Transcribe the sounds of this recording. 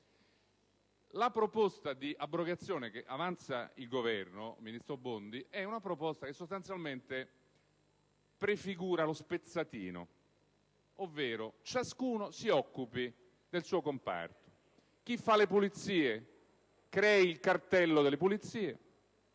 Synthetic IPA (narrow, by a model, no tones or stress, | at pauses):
lapɾopɔst̪ad̪iʔabːɾoɡat̪sːjoːnek̟eʔavant̪sa̰ilɡovɛrno̰minist̪ɾobond̪iʔɛunapɾopɔst̪akesːost̪ant̪sjalment̪e | pɾefiɡuːɾalospet̪sat̪ḭːno̰ | ovːeːɾot͡ʃaskuːnosiɔkːupi | d̪elsuːokompa̰rt̪o̥ | k̟ifːalepulit̪siːe | kɾɛiilkart̪ɛlːod̪elːepulit̪sːiːe